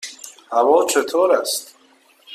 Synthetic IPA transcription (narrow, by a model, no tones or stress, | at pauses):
havɔt͡ʃʰət̪ʰɔɾast̪